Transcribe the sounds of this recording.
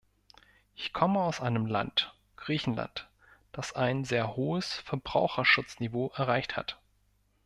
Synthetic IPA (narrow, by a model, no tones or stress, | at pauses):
ʔɪçkʰɔməaʊsʔaɪnəmla̰nt | ɡ̥ʁiːçn̩la̰nt | d̥asaɪnzeːɐhoːəsfɛɐbʁaʊxɐʃʊt͡snivoːʔɛɐʁ̞aɪçtha̰t